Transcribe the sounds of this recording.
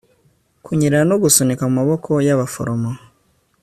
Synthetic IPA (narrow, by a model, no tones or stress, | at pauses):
kʰuɲiɾeɾano̞ɡusonekamumaβo̞kʰo̞jaβafo̰ɾomo